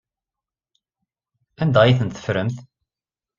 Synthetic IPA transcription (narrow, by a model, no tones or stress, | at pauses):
ænd̪æjiθənt̪θə̥fɾəmθ